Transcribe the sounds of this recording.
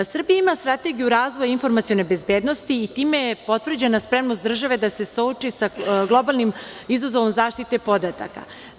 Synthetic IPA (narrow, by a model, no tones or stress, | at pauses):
sr̩bijaimast̪ɾat̪e̞ɡijuɾaːzʋojinfo̞ɾmat̪sijo̞nejbe̞zbeːd̪no̞st̪iːt̪iːmepo̞t̪ʋr̩d͡ʑe̞naspɾe̞mnost̪d̪r̩ʒaʋe̞d̪ase̞sout͡ʂisaɡlˠo̞balˠnimizazoʋomzaːʃt̪it̪e̞po̞d̪at̪a̰ka̰